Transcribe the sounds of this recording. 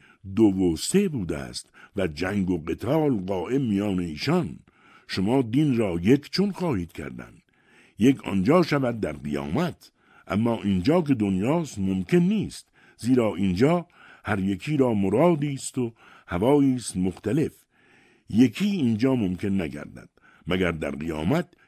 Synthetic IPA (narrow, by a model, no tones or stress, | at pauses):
d̪ovose̞buːd̪æ̰ːst̪væd͡ʒæŋɡoɢet̪ʰɒːlɢɒːʔe̞bmijɒːneiːʃɒn | ʃomɒːd̪inɾɒːje̞kʰt͡ʃʰonxɒːhiːd̪kʰæ̰ɾd̪æ̰nd̪ | jekʰɒ̰nd͡ʒɒːʃævæd̪̚ːæɾɢijɒ̰ːmæt̪ʰ | ʔæ̰mːɒːʔind͡ʒɒːk̬e̞d̪onjɒːst̪momkʰe̞nːiːst̪ | ziːɾɒːʔind͡ʒɒː | hæɾje̞kʰiːɾɒːmoɾɒːd̪iːst̪o | hævɒːiːst̪moxt̪æle̞f | jekʰiːnd͡ʒɒːmomkʰe̞nːæɡæ̰ɾd̪æ̰d̪̥ | mæɡæɾd̪æ̰ɾɡijɒ̰ːmæt̪̚